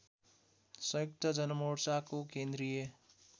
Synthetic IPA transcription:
sʌ̃jok̚t̪əd͡ʒʌnmoɽsakokend̪ɾije

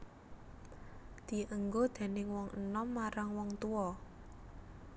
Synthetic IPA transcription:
d̪̥i̤əŋɡod̪̥ɛ̤nɪŋwɔŋənɔmːaɾaŋwɔŋt̪uɔ

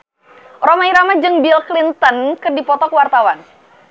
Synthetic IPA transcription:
romaiɾamad͡ʒɨŋbilklint̪ənkɨrdipɔt̪ɔkəwart̪awan

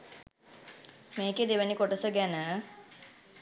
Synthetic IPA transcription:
meːked̪eʋənikoʈəsəɡænə

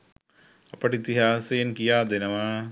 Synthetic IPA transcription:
ɐpɐʈit̪iɦaːsɐjɐnkijaːd̪enɐʋa

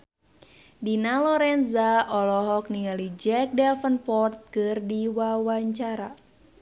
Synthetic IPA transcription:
dinalɔɾɛnzaɔlɔɦɔk̚niŋalid͡ʒɛk̚dɛfənpɔrt̪̚kɨrdiwawaɲt͡ʃaɾa

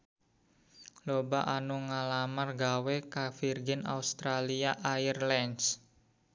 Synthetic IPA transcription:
lobaʔanuŋalamarɡawekafirɡɪna̰ust̪ɾaliaʔairlɛns

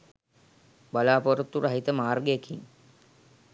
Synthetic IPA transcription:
balaːpoɾut̪ːuɾaɦit̪əmaːrɡejekʰiŋ

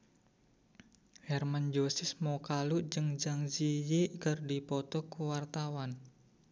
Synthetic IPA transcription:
hɛrmand͡ʒosɪsmɔkaluʔd͡ʒɨŋd͡ʒaŋd͡ʒijeʔkərdipɔt̪ɔkuwart̪awan

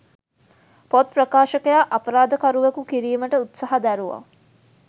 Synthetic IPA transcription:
pot̪̚prɐkaːʃəkəjaʔɐpəɾaːd̪əkaɾuʋekukiɾiːməʈəut̪saɦad̪æɾuʋa̰

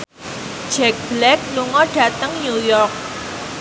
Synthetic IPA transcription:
d̥d͡ʒ̥ɛk̚b̥lɛk̚luŋɔɖ̥ä̤t̪əŋɲujɔrk̚

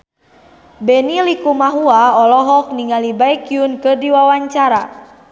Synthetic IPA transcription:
bɛnilikumaɦuaɔlɔɦɔk̚niŋalibajkiunkɨrdiwawaɲt͡ʃaɾa

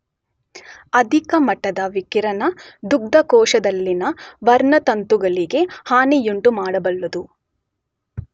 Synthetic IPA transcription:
ɐd̪ʱikɐmɐʈːɐd̪ɐʋikiɾɐnɐd̪uɡ̚d̪ɐkɔːʃɐd̪ɐlːinɐʋɐɾɳɐt̪ɐnt̪uɡɐɭiɡe̞haːnijuɳʈumaːɽɐbɐlːɐd̪u

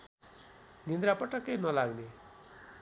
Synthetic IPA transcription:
nind̪ɾapʌʈʌkejnʌlaɡne

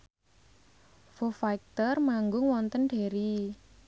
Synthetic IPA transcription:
fofaik̚t̪ərmaŋɡʊŋwɔnt̪ənɖ̥e̤ɾi

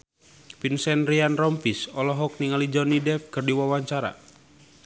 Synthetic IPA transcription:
pinsɛnrianrɔmpisɔlɔɦɔk̚niŋalid͡ʒɔnidɛfkɨrdiwawaɲt͡ʃaɾa̰

